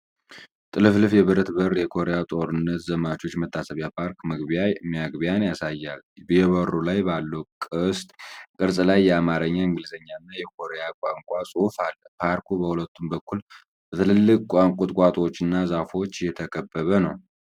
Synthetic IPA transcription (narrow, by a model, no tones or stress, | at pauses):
t̪ʼɨlɨflɨfjɛβɨɾət̪bərjɛkʰo̞ɾejat̪ʼoɾɨnːət̪zəmat͡ʃʼo̞t͡ʃːmət̪ʰːasəβjapʰaɾkməɡbijamijaɡbijanjasajːalbjɛβəɾulajbalːəwkʼɨst̪ʼkʼɨɾsʼlajːɛamaɾəɲːaɨŋɡɨlzəɲːaɨnːajɛkʰo̞ɾejakʼaŋkʷʼasʼufalːəpʰaɾkubəhulət̪ːumbəkʰːul | b̥ət̪ʰɨlɨlːɨkʼkʷʼaŋkʷʼʊt̪ʼkʼat̪ʼo̞t͡ʃːɨnːazafo̞t͡ʃːjɛt̪ʰəkʰəbːəβənəw